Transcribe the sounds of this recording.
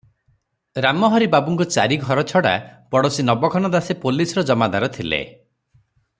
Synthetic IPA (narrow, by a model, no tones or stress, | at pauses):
ɾamɔɦɔɾibabuŋkut͡ʃaɾiɡʱɔɾɔt͡ʃʰɔɽa̰pɔɽosinɔbɔkʰɔnɔd̪asepolisɔɾɔd͡ʒɔmad̪aɾɔt̪ʰilḛ